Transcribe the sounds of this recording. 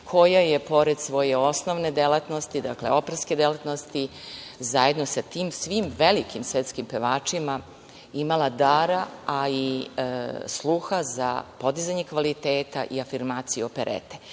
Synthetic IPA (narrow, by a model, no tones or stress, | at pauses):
kʰo̞jajepo̞ɾed̪sʋo̞jeo̞snoʋne̞d̪elat̪nost̪id̪aklḛo̞pɾeske̞d̪elat̪nost̪izaje̞d̪no̞sat̪iːmsʋiːmʋe̞likimsʋet̪skimpeʋaːt͡ʂima | imalˠad̪aːɾaːi | slˠuxaza̰po̞d̪izaɲekʋalit̪eːt̪a̰ʔiafiɾmaːt̪sijuopeɾʔḛt̪e